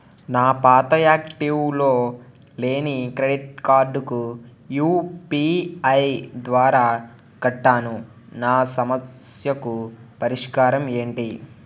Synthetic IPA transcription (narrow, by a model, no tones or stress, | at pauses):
naːpaːt̪ɐjaːkʈiwlo̞ː | le̞ːnikɾeɖiʈ̚kaːɾɖuku | juːpiɐjd̪ʋaːɾaː | kɐʈːaːnu | naːsɐmɐsjɐkupɐɾiʂkaːɾɐme̞ːɳʈi